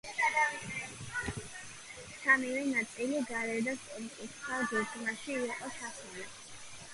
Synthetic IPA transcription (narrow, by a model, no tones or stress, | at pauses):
samivɛnat̪sʼiliɡaɾɛɾd̪aspʼɔlit̪ʼisχʰad̪iɡnaʃiːqʼɔt͡ʃʰasuna